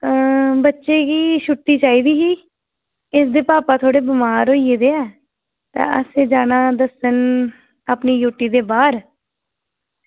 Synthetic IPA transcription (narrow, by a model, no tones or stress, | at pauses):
bətːʃeːkiːʃʊʈːiːt͡ʃaːiːd̪iːɦiː | ɪsd̪eːpaːpaːt̪ʰoːɽeːbɪmaːɾoːieːd̪eːɛː | t̪ã̰ːə̰seːd͡ʒaːnaːd̪əsən | aːpniːjuːʈːiːd̪eːbaːɾ